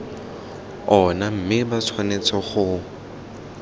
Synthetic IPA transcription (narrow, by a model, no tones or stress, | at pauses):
ɔnam̩mɪbat͡sʰwanet͡sʰɔχʊ